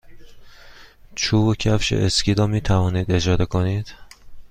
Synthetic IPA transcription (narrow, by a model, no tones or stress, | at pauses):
t͡ʃʰuːbocʰæfʃḛʔescʲʰiːɾɒːmiːt̪ʰævɒːniːd̪e̞d͡ʒɒːd̪ekʰo̞niːd̪̥